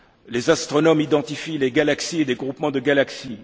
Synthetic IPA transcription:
lezast̪χɔnɔmid̪ɑ̃t̪ifileɡalaksied̪eɡʁupmɑ̃d̪əɡalaksi

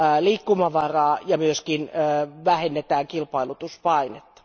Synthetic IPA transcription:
liːkːumɑʋɑrɑːjɑmyøskinːʋæhenːet̪æːŋkilpɑilut̪uspɑinet̪ːɑ̥

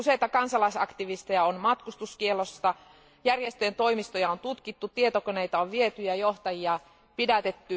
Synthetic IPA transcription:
usejt̪ɑkɑnsɑlɑisɑkt̪iʋist̪ejɑonmɑt̪kust̪uskielost̪ɑ | jærjest̪ent̪o̞imist̪ojɑont̪ut̪kit̪ːut̪ie̞t̪okoneit̪æoʋʋiet̪yjæjoht̪ɑjiɑ | pidæt̪et̪ːy

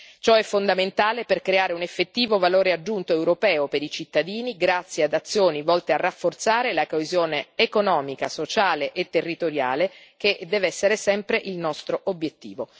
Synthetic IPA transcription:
t͡ʃɔɛfːond̪ament̪aːleperkɾeaːɾeunefːet̪ːiːvovaloːɾead͡ʒːunt̪oewɾopɛːopeɾit͡ʃit̪ːad̪iːniɡɾat̪sːjead̪at̪sːjoːnivɔlt̪earːafːort̪saːɾelakoezjoːneːkonɔːmika̰sot͡ʃaːleʔet̪ːerːit̪oɾja̰ːlek̟ed̪ɛːveɛsːeɾesɛmpɾeʔilnɔst̪ɾoʔobjet̪ːḭːvo

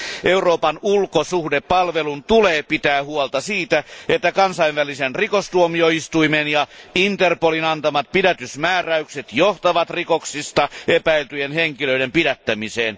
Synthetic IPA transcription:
ʔeuroːpɑnulkosuhdepɑlʋelunt̪uleːpit̪æːhuolt̪ɑsiːt̪æet̪ːækɑnsɑiʋʋælisenrikost̪uomioist̪uimenjɑint̪erpolinɑnt̪ɑmɑt̪̚pidæt̪ysmæːræykset̪joht̪ɑʋɑt̪rikoksist̪ɑepæilt̪yjenheŋkiløidempidæt̪ːæmiseːn

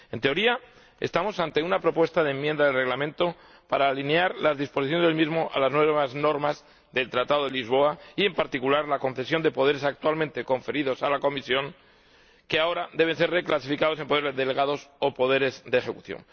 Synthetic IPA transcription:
e̞nt̪eo̞ɾia | est̪amo̞sant̪e̞unapɾo̞pwe̞st̪aðemːjend̪aðe̞lre̞ɣlamẽ̞nt̪o̞ | paɾaːlineaɾlazðispo̞s̬iθjonezðelmizmo̞ʔa̰laznwe̞βazno̞ɾmaz | ðe̞lt̪ɾat̪aðo̞ðelizβ̞o̞aie̞mpaɾt̪ikulaɾlakõ̞nθe̞sjo̞nd̪e̞po̞ðe̞ɾe̞sak̚t̪walmẽnt̪e̞ko̞ɱfe̞ɾiðo̞salako̞misjo̞ŋ | keao̞ɾad̪eβens̬e̞ɾre̞klas̬ifikað̞o̞se̞mpo̞ðeezðe̞le̞ɣaðo̞so̞po̞ðe̞ɾe̞zðexe̞kuθjo̰ŋ

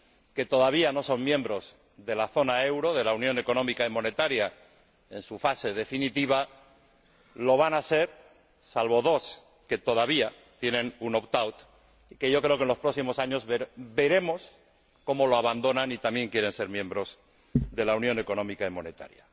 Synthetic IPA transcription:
ke̞t̪o̞ðaβiano̞so̞ŋmjẽ̞mbɾo̞z | ðe̞laθo̞nae̞wɾo̞ð̞e̞launjõ̞ne̞ko̞no̞mikaimõ̞ne̞t̪aɾja | e̞nsufase̞ð̞e̞finit̪iβ̞a | lo̞βanase̞ɾ | salβo̞ð̞o̞s | ke̞t̪o̞ðaβ̞ia | t̪jenẽ̞nunopt̪awt̪ | ike̞ʝo̞kɾeo̞ke̞nlo̞spɾo̞simo̞saɲo̞zβebe̞ɾe̞mo̞s | ko̞mo̞lo̞aβand̪o̞nanit̪amje̞ŋkje̞ɾe̞nse̞ɾmjẽ̞mbɾo̞z | ðe̞launjo̞ne̞ko̞nõ̞mikaimo̞ne̞t̪a̰ɾja

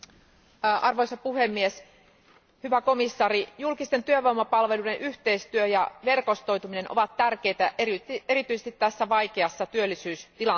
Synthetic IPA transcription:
ʔɑrʋojsɑpuhemːies | hyʋæko̞misːɑːɾijulkist̪e̞nt̪yøʋowmːɑpɑlʋe̞ludenʔyht̪e̞ist̪yøjɑʋe̞rko̞st̪o̞jt̪umine̞nʔoʋɑt̪ːærk̟ejt̪æʔeeɾit̪ysest̪it̪tæsːæʋɑjkeɑsːɑt̪yølːisyːst̪ilɑ

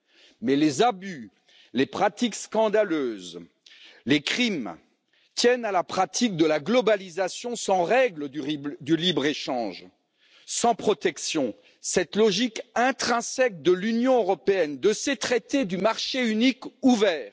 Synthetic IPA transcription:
mɛlezaby | lepχat̪ikskɑ̃d̪aløːz | lekχim | t̪jɛnalapχat̪ʰik̚d̪əlaɡlɔbalizasjɔ̃sɑ̃ʁɛɡləd̪ylibʁeʃɑ̃ʒ | sɑ̃pχɔt̪ɛksjɔ̃ | sɛt̪lɔʒikɛ̃t̪χɛ̃sɛk̚d̪əlynjɔ̃øʁɔpeɛnd̪əset̪χɛt̪ed̪ymaʁʃeynikuvɛːʁ

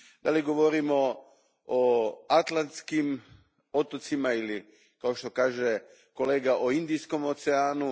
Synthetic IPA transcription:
d̪aliɡo̞ʋo̞ɾimo | oat̪lˠant̪skim | ot̪ot̪simaili | kao̞ʃt̪o̞kaːʒe | ko̞leːɡaʔoind̪ijsko̞mot̪seaːnu

